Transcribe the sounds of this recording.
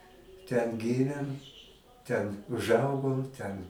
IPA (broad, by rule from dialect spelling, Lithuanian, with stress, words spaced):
tʲɛn ˈɡʲiːmʲeːm tʲɛn ʊʒˈɐʊɡoːm tʲɛn